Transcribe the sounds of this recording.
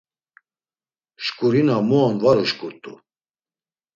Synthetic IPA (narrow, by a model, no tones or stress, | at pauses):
ʃkʼuɾinamuanvaɾuʃkʼuɾt̪ʼṵ